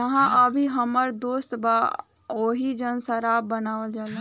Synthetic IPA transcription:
ɐɦãʔəbʱiɦɐməɾd̪oːst̪baː | oːɦid͡ʒənsɐɾaːbɐnaːʋəld͡ʒaːla

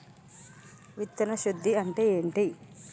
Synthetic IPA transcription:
ʋit̪ːɐnɐʃud̪ʱːiɐɳʈe̞ːeːɳʈi

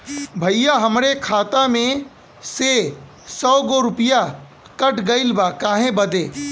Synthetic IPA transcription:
bʱəɪjaɦəmɾekʰaːt̪amẽ | se | sɔːɡoɾʊpija | kəʈɡəɪlbakaːɦẽbəd̪e

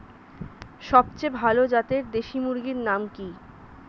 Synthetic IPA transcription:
ʃɔbt͡ɕebʱalod͡ʑat̪eɾd̪eʃimuɾɡiɾnamki

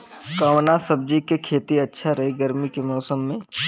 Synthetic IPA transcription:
kaʋnasɐb̚d͡ʒikekʰeːt̪iɐtːʃʰaɾɐɦiɡɐɾmikemɔːsəmːẽ

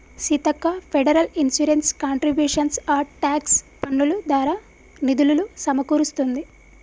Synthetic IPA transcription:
sit̪ɐkːɐpʰeɖɐɾɐlinsuɾenskaːɳʈɾibjuːʂɐnsaːɾʈaːkspɐɳːulud̪aːɾaː | nid̪ululusɐmɐkuːɾust̪und̪i

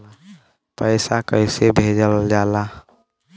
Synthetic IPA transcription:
pəɪsakəɪsebʱeːd͡ʒəld͡ʒaːla

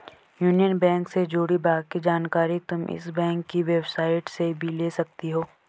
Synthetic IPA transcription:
juːnijənbɛ̃ːŋksed͡ʒoːɽibaːkid͡ʒaːnkaːɾit̪ʊmɪ̰sbɛ̃ːŋkːiʋebsaːɪʈsebʱileːsɐk̚t̪iɦoː

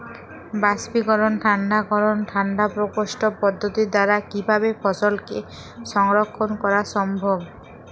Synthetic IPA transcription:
basbikɔɾonʈʰanɖakɔɾonʈʰanɖapɾokoʃʈopɔd̪ʱːot̪id̪aɾakibʱaβepʰɔsolke | ʃɔŋɾokʰːonkɔɾaʃɔmbʱob

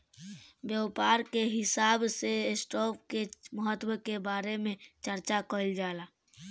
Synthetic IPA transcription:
bjəwpaːɾkeɦɪsaːbsesʈɔːpkeməɦət̪wəkebaːɾemẽt͡ʃəɾt͡ʃakəld͡ʒaːlaː

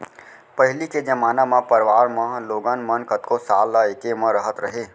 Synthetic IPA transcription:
pəɦɪliked͡ʒəmaːnamãpəɾʋaːɾmãloːɡənmənkət̪kosaːlːaekemãɾəɦət̪ɾəɦeː

